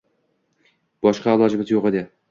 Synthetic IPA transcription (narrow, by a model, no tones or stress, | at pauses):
b̥ɒʃqɑlˠɒd͡ʒɪmɪzjoʁed̪ɪ